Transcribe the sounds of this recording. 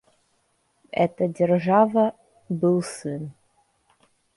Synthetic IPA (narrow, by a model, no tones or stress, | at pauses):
ɛt̪ɐdʲɛrʐavɐ | bɨlˠsɨn